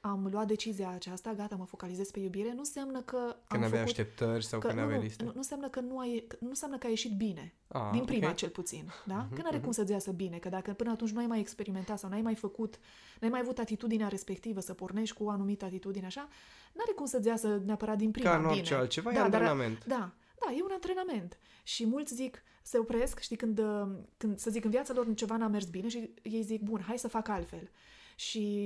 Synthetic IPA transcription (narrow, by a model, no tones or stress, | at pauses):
amluat̪̚d̪e̞t͡ʃiziaːt͡ʃast̪aɡat̪aməfo̞kalize̞zpe̞jubiɾe̞nunsjamnəkəaɨnmnvəaaut̪ep̚t̪ərʲsawkəɨna̰valisnununsamnəkənuajkənunsamnəkəaje̞ʃit̪̚bine̞ | a̰d̪inpɾimmat͡ʃe̞lput̪sind̪aənaɾe̞kumsət̪zʲjasəbine̞kəd̪akəpɨnəat̪unt͡ʃʲnuajmajekspe̞ɾime̞nt̪at̪sawnajmajfəkut̪ | najmajavut̪at̪it̪ud̪ineaɾe̞spe̞kt̪ivəsəporne̞ʃt̪ʲkuoanumit̪əat̪it̪ud̪ineaʃa | naɾe̞kumsət̪zʲjasəneapəɾat̪̚d̪inpɾianineealt̪t͡ʃevad̪ad̪aament̪d̪a | d̪aje̞unant̪ɾe̞name̞nt̪ | ʃimult̪sʲzik | se̞opɾe̞skʃt̪ikɨnd̪kɨnd̪səzikɨnvjat̪salo̞rt͡ʃe̞vaname̞rsbine̞ʃije̞jzik̚bunɦajsəfakalt̪fe̞l | ʃi